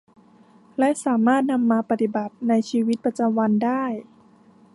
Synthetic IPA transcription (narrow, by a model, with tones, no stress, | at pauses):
lɛ˦˥ʔsaː˩˦maː˥˩t̪̚na˧mːaː˧pa˧t̪i˨˩ba˨˩t̪̚na˧jt͡ɕʰiː˧wi˦˥t̪̚pɾa˧t͡ɕa˧mwa˧ndaː˥˩j